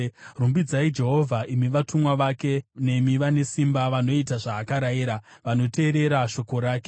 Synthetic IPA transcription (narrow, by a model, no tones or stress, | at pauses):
rumbid͡zaid͡ʒe̞ɦo̞vʱaʔimiʋatʰumwaʋake̞ne̞miʋane̞simbaʋano̞itaʐaːkaɾaiɾaʋano̞tʰe̞ːɾe̞ɾaʃo̞ko̞ɾaːke